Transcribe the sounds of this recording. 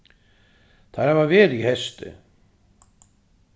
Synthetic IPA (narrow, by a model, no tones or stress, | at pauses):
θaɾhɛvavɛːɾihɛst̪ʏ̰